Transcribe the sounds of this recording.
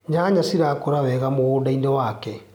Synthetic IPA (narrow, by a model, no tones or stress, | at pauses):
ɲaɲasiɾakoɾawɛɣamoɣoːdainɛwaːkɛ